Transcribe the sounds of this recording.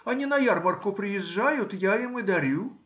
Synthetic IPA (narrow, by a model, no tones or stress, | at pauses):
ɐnʲinɐjarmɐrkʊpɾɨjɛʐːajʊt̪jajimɨd̪aɾʲu